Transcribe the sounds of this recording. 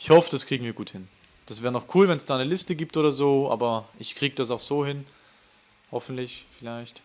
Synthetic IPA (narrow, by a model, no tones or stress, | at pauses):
ʔɪçhɔfəd̥askʁ̥iːɡŋ̩viːɐɡuːthɪn | d̥asvɛːʁənɔχkʰuːlvɛnsd̥aːnəlɪstəɡiːp̚tʔoːɾɐzoːʔa̰ːbɐʔɪçkʁ̥iːɡədas̬aʊxz̥oːhɪn | hɔfn̩tlɪçfɪlaɪçt